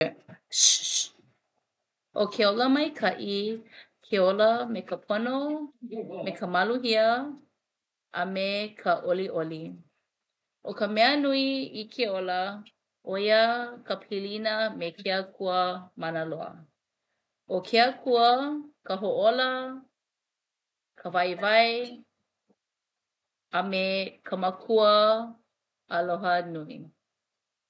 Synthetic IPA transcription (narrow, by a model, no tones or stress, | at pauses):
ʔokʰeoləmɐjkʰɐʔi | kʰeoləmekəpʰono | mekʰəmɐluhiə | ʔɐmekʰəʔoliʔoli | ʔokəmɛənuiikʰeolə | ʔojəkəpʰilinəmekʰeəkʰuəmanəloə̰ | ʔokʰeəkʰuəkəɦoʔolə | kʰəvajvaj | ɐmekʰəməkʰuə | əloɦənuḭ